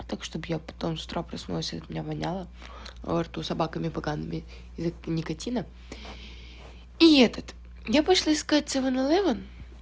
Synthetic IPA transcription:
t̪akʂt̪objapɐ̥t̪omst̪ɾopɾɐsnulˠəsʲɐt̪mʲɪnʲavɐnʲalˠə̰ | vɐrt̪usɐbakəmʲɪpɐɡanːɨmʲɪ | znʲɪkɐtʲinə | iɛt̪ət̪ | japɐʂlˠaɪskat̚ʲsʲɨvənɐlˠɛvən

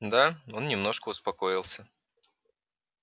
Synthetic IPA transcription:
d̪ao̞nnʲɪmno̞ʂkəʊspɐko̞ɪlˠsʲə

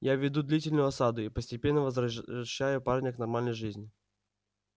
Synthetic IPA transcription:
javʲːɪd̪ud̪lʲitʲɪlʲnʊjʊɐsad̪ʊipəsʲtʲɪpʲe̞nːəvəzɐɐɕːæjʊparnʲəknɐrmalʲnəjʐɨzʲnʲɪ

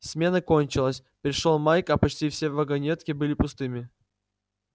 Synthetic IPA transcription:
sʲmʲe̞nəko̞nʲt͡ɕɪlˠəsʲpɾʲɪʂolˠmajkɐpɐt͡ɕtʲifsʲevɐɡɐnʲet̪kʲɪbɨlʲɪpʊst̪ɨmʲɪ

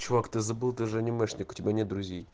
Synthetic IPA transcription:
t͡ɕʊvakt̪ɨzɐbɨlˠt̪ɨʐɛnʲɪmɛʂnʲɪkʊ̥tʲɪbʲanʲet̪d̪ɾʊzʲej

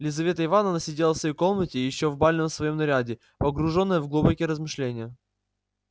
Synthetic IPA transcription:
lʲɪzɐvʲe̞t̪əɪvanənəsʲɪdʲelˠəsjko̞lˠmətʲɪjɪɕːovbalʲnəmsvɐjo̞mnɐɾʲadʲɪ | pəɡɾʊʐo̞nːəjəvɡlˠubəkʲɪɾəzmɨʂlʲenʲɪjə

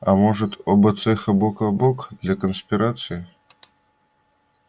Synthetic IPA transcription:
amɔʐɨt̪ɔbɐt̪sɛxɐbɔkɐbɔkd̪lʲakənsʲpʲɪɾat̪sɨjɪ

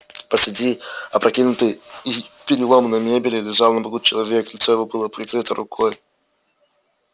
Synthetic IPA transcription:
pəsʲadʲiɐpɾʔɐkʲinʊt̪əjipʲɪɾʲɪlˠomnɐjmʲebʲɪlʲɪlʲɪʐalˠnɐbɐɡut̪̚t͡ɕɪlˠɐvʲeklʲɪt̪sojɪvobɨlˠəpɾʲɪkɾɨt̪əɾʔʊkʰɔj

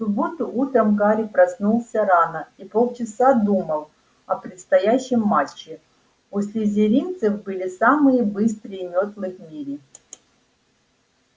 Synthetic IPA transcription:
sʊbot̪ʊʔut̪ɾəmkaɾʲɪpɾɐsnulˠsʲəɾanəipolˠt͡ɕɪsad̪uməlˠ | ɐpɾʲɪt̪st̪ɐjæɕːɪmːat͡ɕːɪ | ʊsʲlʲɪzʲɪɾʲint̪sɨfbɨlʲɪsamɨjəbɨst̪ɾɨjɪmʲot̪lˠɨxmʲiɾʲɪ

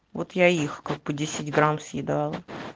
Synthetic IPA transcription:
vot̪jaixkaɡ̚bɨdʲesʲɪdʲɡɾamsjɪd̪alˠə

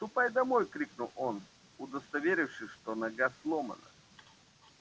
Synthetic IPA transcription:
t̪ʊpajd̪ɐmojkɾʲiknʊlˠon | ʊd̪əst̪ɐvʲeɾʲɪfʂɨʂt̪onɐɡaslˠomə̰nə̰

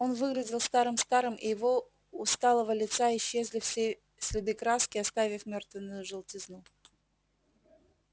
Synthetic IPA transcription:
o̞nvɨɡlʲɪdʲɪlˠst̪aɾɨmst̪aɾɨmʔɪ̰jɪvo̞ | ʊst̪alˠəvəlʲɪt̪saɪɕːezʲlʲɪfsʲe | sʲlʲɪd̪ɨkɾaskʲɪɐst̪avʲɪfmʲort̪vʲɪnːʊjʊʐɨlˠtʲɪznu

